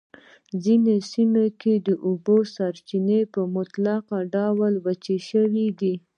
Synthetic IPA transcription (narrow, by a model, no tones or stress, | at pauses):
zinesimeked̪əʔubosaɾt͡ʃinepəmʊt̪laqaɖawalwat͡ʃeʃəwid̪i